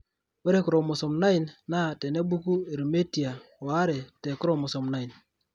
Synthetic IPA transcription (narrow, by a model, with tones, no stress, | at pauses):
we˦ɾe˦ku˨ɾo˨mʊ˨sɔ˨mna˦i˨nna˦˨te˨ne˦bu˦ku˦e˨ɾme˦ti˨a˨a˦ɾe˨te˨kʊ˦ɾo˦˨mʊ˨sɔ˨mna˦i˨n